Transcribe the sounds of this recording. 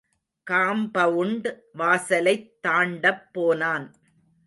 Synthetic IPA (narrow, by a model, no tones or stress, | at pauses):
kaːmbɐʋʊɳɖ | ʋaːsɐlɐɪt̪ːaːɳɖɐpːoːnaːn